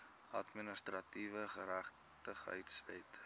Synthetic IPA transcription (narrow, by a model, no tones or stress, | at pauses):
ɐtminəstrɐtivəχəɾæχ | təχœ̰ɥtsvɛt